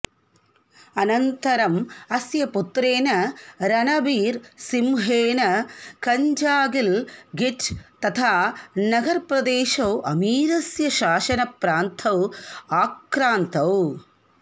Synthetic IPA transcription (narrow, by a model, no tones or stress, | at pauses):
ɐnɐnt̪ɐɾɐmɐsjɐput̪ɾeːnɐɾɐnɐʋiːɾsimɦeːnɐkɐɲd͡ʒaːɡilɡiʈt̪ɐt̪ʰaːnɐɡɐɾpɾɐd̪eːʃɐwʔɐmiːɾɐsjɐʃaːʃɐnɐpɾaːnt̪ʰɐwaːkɾaːnt̪ɐw